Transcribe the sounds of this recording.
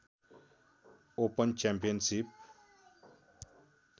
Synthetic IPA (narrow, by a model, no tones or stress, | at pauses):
opənt͡ʃɛmpijənsip̚